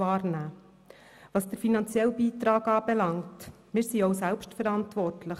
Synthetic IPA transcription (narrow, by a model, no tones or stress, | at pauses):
ɑːrnæː | ʋɑsd̥əɾfinɑnt͡sjɛlbiːt̪ɾɑːɡɑːbɛlɑŋt | mɪːɾsiɔʊsælpʃtfəɾɑntʋɔrtʰləχ